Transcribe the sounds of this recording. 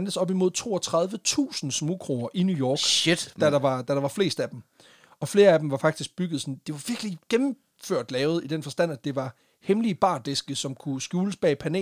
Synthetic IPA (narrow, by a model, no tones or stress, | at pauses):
nd̥əsɒ̽b̥imo̝ð̞̰ˠt͡sʰo̝̰ːɒt͡sʰʁɑ̈ð̞ˠʋət͡sʰṵːsn̩smuɡ̥ʰʁoːɐʔinjujɒːɡ̥d̥æɾɑ̈ɑ̈d̥æɾɑ̈ʋɑ̈fle̝̰ːsd̥æd̥em | ɒ̽fle̝ːɐæd̥em̩ʋɑ̈fɑ̈ɡ̥̚d̥isɡ̥̚b̥yɡ̥ð̩ˠsɒ̽nd̥e̝ʋɑ̈ʋ̥iɐɡ̥liɡ̥emm̩ | føɐ̰d̥lɛːʊð̞̩ˠid̥enfɒ̽sd̥æn̰æd̥e̝ʋɑ̈ | hemlib̥ɑ̰̈ːd̥e̝sɡ̥əsɒ̽mkʰusɡ̥juːləsb̥ɛ̰ːpʰæne̝̰ː